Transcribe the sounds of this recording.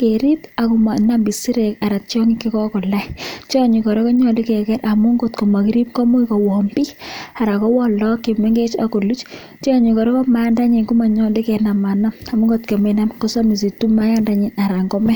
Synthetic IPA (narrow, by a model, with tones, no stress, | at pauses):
ke˨ɾi˦ta˨ku˨ma˨na˦mbi˨si˦ɾe˨ka˨ɾa˨tt͡ʃɔ˦ŋi˦ki˦kɔ˦kɔ˨la˦jt͡ʃɔ˨ɲi˨kɔ˨ɾe˦kɔ˦ɲɔ˨li˦kɛ˨kɛ˦ɾʔa˨mu˦ŋɡo˨tko˨ma˨ki˦ɾi˦p̚kɔ˦mo˦i˦kɔ˨wɔ˨mbi˦a˨ɾa˨kɔ˦wɔ˦lɔ˦ke˨mɛ˦ŋɡe˦t͡ʃa̰˨ko˨lu˦t͡ʃ | t͡ʃi˦ɔ˦ɲi˨kɔ˨ɾɔ˦kɔ˦ma˦nda˦ɲi˨nku˦ma˨ɲɔ˦li˦kɛ˨na˨ma˨na˦ma˨mu˦ŋɡo˦tke˨mɛ˨na˦mkɔ˦sa˦mi˨s̬i˨tu˦ma˦ja˦nda˦ɲi˨na˨ɾa˨ŋɡɔ˦mɛ˦